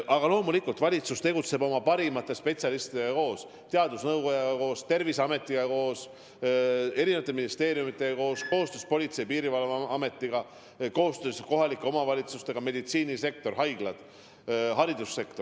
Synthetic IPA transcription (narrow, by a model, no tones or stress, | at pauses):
ʔɑɡ̥ɑlo̞ːmulikːult̪vɑlʲit̪sust̪e̞ɡut̪se̞bo̞mɑpɑɾimɑt̪ːˑe̞spe̞t̪siɑlist̪id̪ɑko̞ːs | t̪e̞ɑd̪usnɤwɡo̞jɑɡɑko̞ːst̪e̞rvisɑme̞t̪ˑːiɡɑko̞ːs | e̞ɾine̞vɑt̪eminist̪e̞ːɾijumit̪ːˑe̞ko̞ːsko̞ːost̪øːspo̞lʲit̪se̞jpiːɾivɑlɑɑme̞t̪ːiɡ̥ɑ | ko̞ːst̪ø̞ːsko̞ɦɑlikːˑe̞o̞mɑvɑlʲit̪sust̪e̞ɡ̥ɑme̞d̪it̪siːnise̞k̚t̪o̞rɦɑjɡ̥lɑd̪̥ | ɦɑɾid̪usːe̞kt̪o̞